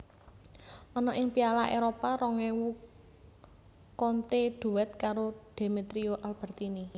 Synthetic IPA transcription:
ɔnɔʔɪŋpialaʔeɾopaɾɔŋɛwu | kɔnt̪eɖ̪̥ṳwɛt̪̚kaɾoɖ̥e̤met̪ɾioʔalb̥ə̤rt̪ini

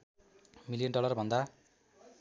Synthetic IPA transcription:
milijʌnɖʌlʌrbʱʌnd̪a

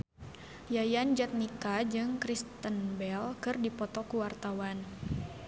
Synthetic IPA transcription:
jajand͡ʒat̪̚nikad͡ʒɨŋkɾist̪ənbɛlkɨrdipɔt̪ɔkuwart̪awan

